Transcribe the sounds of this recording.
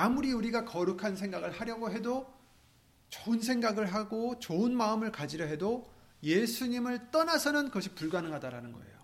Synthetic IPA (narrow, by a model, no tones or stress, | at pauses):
amuɾiuɾiɡakʌɾukʰansʰe̞ŋɡaɡɯɭhaɾjʌɡoɦe̞do | t͡ɕoɯns̬ʰe̞ŋɡaɡɯɭɦaɡot͡ɕoɯnmaɯmɯɭkad͡ʑiɾjʌɦe̞do | je̞sʰuɲimɯɭt͈ʌnasʰʌnɯnkʌɕʰipuɭɡanɯŋɦadaɾa̰nɯnɡʌḛjo